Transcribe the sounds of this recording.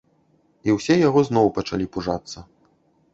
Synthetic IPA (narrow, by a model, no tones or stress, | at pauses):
iwsʲɛjaɣɔznɔwpɐt͡ʂa̰lʲipuʐat̪sːɐ